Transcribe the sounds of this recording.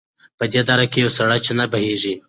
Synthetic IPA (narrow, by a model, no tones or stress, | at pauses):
pəd̪ed̪ɑɾakejawsaɽajt͡ʃenabaɦeʐi